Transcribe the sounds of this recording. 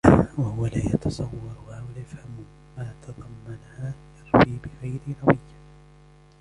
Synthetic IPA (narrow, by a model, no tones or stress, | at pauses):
wahʊwalaːjɑt̪ɑsˤɑwːɑɾˤhawaljafhamʊ | maːt̪ʰɑd̪ˤɑmːanhaːjɑɾˤwiːbɪɣajɾɪɾɑwɪjːa